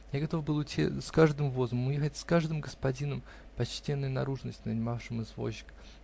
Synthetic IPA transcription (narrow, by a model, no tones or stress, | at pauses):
jaɡɐt̪o̞fbɨlˠʊtʲḭskaʐd̪ɨmvo̞zəməmʊjexətʲskaʐd̪ɨmɡəspɐdʲinəm | pɐt͡ɕtʲenːʊjʊnɐɾuʐnəsʲtʲnənʲɪmafʂɨmɨzvo̞̰ɕːɪ̥k